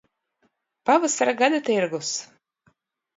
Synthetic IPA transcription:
pavasaɾaɡad̪ʲat̪iɾɡus

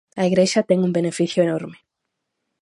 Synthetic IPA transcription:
aiɣɾeʃat̪eŋumbenefiθjoenoɾme

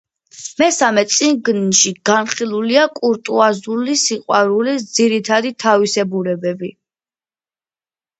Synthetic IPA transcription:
mɛsamɛt̪sʼiŋɡnʃiɡ̥anχilˠuliakʼuɾt̪ʼuazulisiqʼwaɾulid̪ziɾit̪ʰad̪it̪ʰavisɛbuɾɛbɛbi

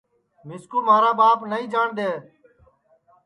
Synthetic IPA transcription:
mɪskuːmaːɾaːbaːpnəĩːd͡ʒaːɳd̪eː

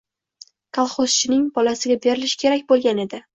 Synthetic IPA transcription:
kʰalˠχost͡ʃʰɪnɪŋbɒlasɪɡʲabe̞ɾɪlɪʃkʲʰe̞ɾakʲbolˠɡʲane̞d̪ɪ

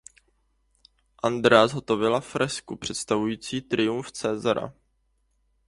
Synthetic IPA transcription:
ʔand̪ɾaːzɦo̞t̪o̞vɪlafɾʔɛskupr̝̥ɛt̪st̪avujiːt͡siːt̪ɾɪjuɱft͡sɛːzaɾa̰

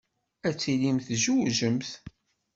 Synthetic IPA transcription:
æt͡sːilimθʒuwʒəmθ

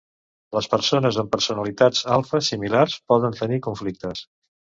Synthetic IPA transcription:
ləspəɾsonəzəmpəɾsunəlit̪ad͡zalˠfəsimilarspɔðənt̪ənikuɱflik̚t̪əs

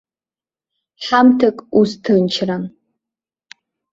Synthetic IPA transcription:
ħamtʰakʼustʰɨnt͡ʃʰran

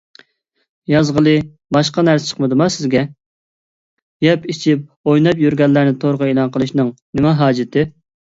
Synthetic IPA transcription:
jɑzʁəlˠɨ | bɑʃqɑnæɾsɪ̥t͡ʃʰə̥qmɨd̪ɨmɑsɪzɡʲɛ | jɛpit͡ʃʰip̚ojnɑpjyɾɡʲɛnlːæɾnɪt̪ʰoɾʁəelˠɑnqəlˠɨʃnɨŋnɪmɛɦɑːd͡ʒɪt̪ʰɪ

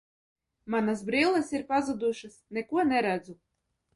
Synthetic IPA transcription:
manas̬bɾilˠasiɾpazud̪uʃasnʲɛkuɔnʲɛɾæd̪zu

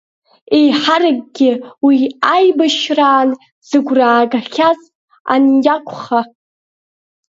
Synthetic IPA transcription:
ejħarɨɡ̚ɡʲɪwiajbaʃraːn | z̥ɨɡʷraːɡaχʲaz | a̰njakʷʰχa

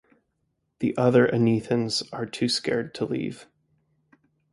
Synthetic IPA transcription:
ðiʔʌðə˞ʔɨniθɨ̃nz̥ə˞tʰʉskɛ̰ɹd̚tʰəlḭv̥

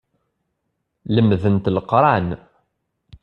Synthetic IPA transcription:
ləmðənt̪lqɾˤɑn

